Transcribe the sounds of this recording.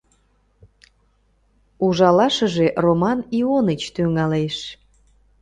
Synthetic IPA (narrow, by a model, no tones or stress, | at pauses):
uʒɑlɑʃəʒeʔromɑnionət͡ɕt̪yŋɑleʃ